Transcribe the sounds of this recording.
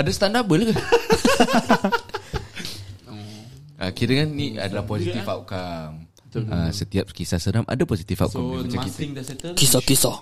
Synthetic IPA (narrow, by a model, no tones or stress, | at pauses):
adasət̪andabələkə | əkiɾəŋanːia̰dalahposit̪ifaw̚kam | əsət̪iap̚kisasənamʔa̰dapɔsit̪ifa̰wʔkamdimat͡ʃãkit̪ŋdaskisɔkisɔ